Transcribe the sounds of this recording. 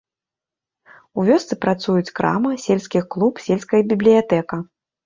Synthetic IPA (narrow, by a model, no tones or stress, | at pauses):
uvʲɔst̪sɨpɾat̪sujut͡sʲkɾa̰mɨsʲelʲsʲkʲixklˠupsʲelʲsʲkɐjɐbʲiblʲijat̪ɛkɐ